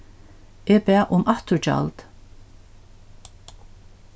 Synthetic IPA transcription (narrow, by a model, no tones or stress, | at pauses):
eːpɛːʔʊmʔaht̪ʊɹt͡ʃa̰lt̪